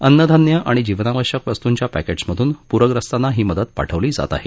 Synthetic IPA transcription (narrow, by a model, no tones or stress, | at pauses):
ənːəd̪ʱanjəʔaɽ̃id͡ʑiʋnaʋəɕəkʋəst̪uɲt͡ɕjapæked͡zməd̪ʱuːnpuɾəɡɾəst̪anːaɦiːməd̪əd̪̚pa̰ʈʰəʋliːd͡za̰t̪a̰ɦe